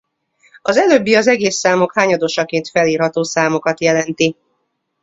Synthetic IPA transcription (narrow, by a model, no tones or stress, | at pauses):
ɒzɛløbːiɒzɛɡeːsːaːmo̞khaːɲɒd̪oʃɒkeːnt̪fɛliːrhɒt̪oːsaːmo̞kɒt̪jɛlɛnt̪i